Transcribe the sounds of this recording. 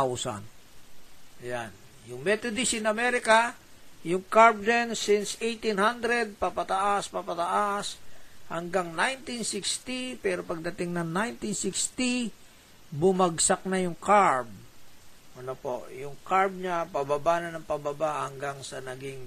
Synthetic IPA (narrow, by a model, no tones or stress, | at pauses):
awsɐ̰n | ʔɐjan | jʊŋmɛt̪od̪isɪnɐmɛɾɪkɐ | jʊŋkaɹb̚d͡ʒansinsejt̪inhand̪ɾɛd̪̚pɐpɐt̪aʔaspapɐt̪ɐʔashɐŋɡaŋnajnt̪insikst̪ipɛɾopɐɡ̚d̪ɐt̪ɪŋnɐŋnajnt̪insikst̪i | bʊmɐɡsak̚nɐjʊŋkaɹb̚ | ʔɐnopo̰ʔjʊŋkaɹb̚ɲapɐbabanɐnɐŋpɐbɐbahɐŋɡaŋsɐnɐɡiŋ